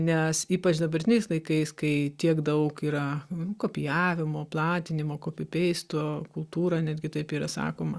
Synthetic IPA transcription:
nʲɛsiːpɐt͡ʃd̪ɐbɐɾʲt̪ʲɪnʲɛɪslˠɐɪkɐɪskɐɪt̪ʲiɛkd̪ɐʊkiːɾɐkoːpʲɪjæːʋʲɪmoːplˠɑːt̪ʲɪnʲɪmoːkoːpʲɪpʲɛɪst̪oːkʊlˠt̪uːɾɐnʲæːd̪ʲɡʲɪt̪ɐɪpiːɾɐsɑ̰ːkoːmɐ

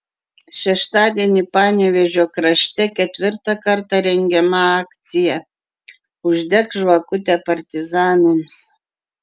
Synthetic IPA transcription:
ʃʲɛʃt̪ɑːd̪ʲɛnʲipɑːnʲeʋʲɛʒʲoːkɾɐʃʲt̪ʲɛkʲɛt̪ʲʋʲɪɾt̪ɑkɐɾt̪ɑɾʲɛŋʲɡʲɛmɐɑːkt̪sʲɪjɛ | ʊʒʲd̪ʲɛkʒʋɐkʊt̪ʲɛpɐɾʲt̪ʲɪzɑːnʲɪms

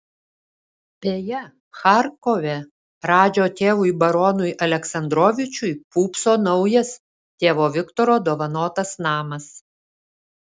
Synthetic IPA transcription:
pʲeːjɛ | xɑɾkɔʋʲɛ | ɾɑːd͡ʒʲoːt̪ʲeːʋʊɪbɐɾɔːnʊjʔɐlʲɛksɐnd̪ɾoːʋʲɪt͡ʃʲʊjpuːpsoːnɒʊjɛs | t̪ʲeːʋoːʋʲɪkt̪ɔɾoːd̪oːʋɐnoːt̪ɐsnɑːmɐs

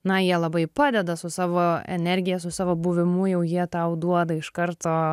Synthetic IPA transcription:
nɐjiɛlˠɐbɐɪpɑːd̪ʲɛd̪ɐsʊsɑːʋoːɛ̰nʲɛɾʲɡʲɪjɛsʊsɑːʋoːbʊʋʲɪmʊjɛʊjiɛt̪ɐʊd̪uɔd̪ɐɪʃkɐɾt̪oː

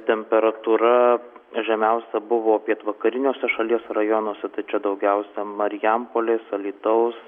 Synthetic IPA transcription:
t̪ʲɛmʲpʲɛɾɐt̪uːɾɐ | ʒʲɛmʲɛʊsʲɛbʊʋoːpʲiɛt̪ʋɐkɐɾʲɪnʲoːsʲɛʃɐlʲiɛsɛɾɐjonuoːsʲɛt̪ɐɪt͡ʃʲɛd̪ɐʊɡʲɛʊsʲɛmɐɾʲɪjɛmpoːlʲeːsɐlʲiːt̪ɐʊs

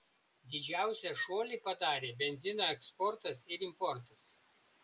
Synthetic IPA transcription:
d̪ʲɪd͡ʒʲæˑʊsʲɛʃoːlʲipɐd̪ɑːɾʲeːbʲɛnʲzʲɪnoːɛkspɔɾt̪ɐsɪɾɪmpɔɾt̪ɐs

